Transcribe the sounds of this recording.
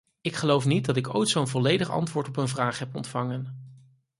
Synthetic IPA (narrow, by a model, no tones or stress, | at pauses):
ɪkχəlowfnid̚dɑtɪkojtsownvɔlejdəχɑ̰ntʋʊːɹtɔpənvraːχɦɛpɔ̰ntfɑŋən